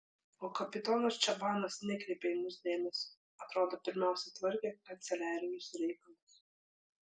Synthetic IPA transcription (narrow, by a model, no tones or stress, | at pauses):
ɔːkɐpʲɪt̪ɔːnɐst͡ʃʲabɑːnɐsnʲɛkɾʲipʲɛjmuzʲd̪ʲeːmʲɛs | at̪ɾɔːd̪ɔpʲɪɾʲmʲæwsʲɛt̪vɨɾʲkʲɛkɐt̪sʲɛlʲæːɾʲɪjusʲɾʲɛjkɐlˠʊs